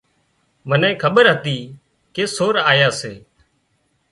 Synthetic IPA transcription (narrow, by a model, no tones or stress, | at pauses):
ʋənẽːkʰəɓəɾɦət̪iː | keːsoːɾaːjaːseː